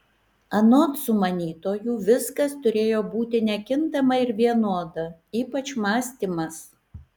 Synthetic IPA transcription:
ɐnoːt̪sʊmɐnʲiːt̪oːjuːʋʲɪskɐst̪ʊɾʲeːjoːbuːt̪ʲɪnʲɛkʲɪnt̪ɐmɐɪɾʋʲiɛnoːd̪ɐiːpɐt͡ʃmɑːsʲt̪ʲiːmɐs

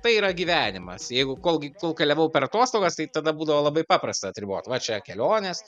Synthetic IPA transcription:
t̪ɐɪiːɾɐɡʲiːʋʲæːnʲɪmɐ̰sjɛɪɡʊkoːlˠɡʲɪkoːlˠkʲɐlʲɛʋɐʊpʲɛɾɐt̪oːst̪oːɡɐst̪ɐɪt̪ɐd̪ɐbuːd̪ɐʋoːlˠɐbɐɪpɑːpɾɐst̪ɐɐt̪ʲɾʲɪboːt̪ʲʋɐt͡ʃʲɛkʲɛlʲoːnʲes

